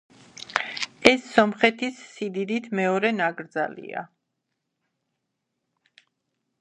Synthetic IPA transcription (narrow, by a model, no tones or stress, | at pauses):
ɛsːɔmχɛt̪ʰisːid̪id̪it̪ʰmɛɔɾɛnaɡɾd̪za̰lḭa̰